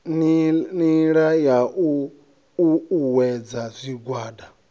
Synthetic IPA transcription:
nniɺajaʔu | uuwɛd͡zazʷiɡwaːda

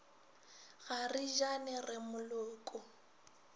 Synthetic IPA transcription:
ɣariʒanɛrɪmʊlʊːkʼʊ

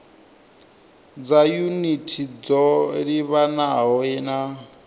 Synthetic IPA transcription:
d͡zajunitʰid͡zɔɺiβanaɦɔɛna

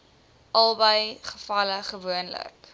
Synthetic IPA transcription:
ʔɐlˠbəjχəfɐləχəvuənlə̰k

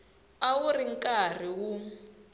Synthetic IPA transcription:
awuriŋkʼar̤iwu

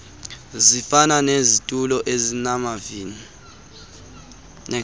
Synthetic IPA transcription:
zifananezitʼulɔʔezinamavini | nɛ

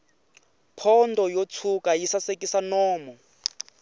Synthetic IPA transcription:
pʰɔndɔjot͡sʰukʼajisasekʼisanɔːmɔ

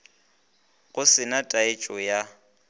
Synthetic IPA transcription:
ɣʊsɪnatʼaɪt͡ʃʼɔja

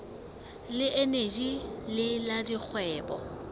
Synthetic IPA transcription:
lɪʔened͡ʒilɪladik͡xʰwɛːbɔ̰

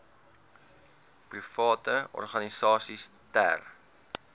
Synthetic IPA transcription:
prifɑːtəɔ̰rχɐnisɑːsistæ̰r

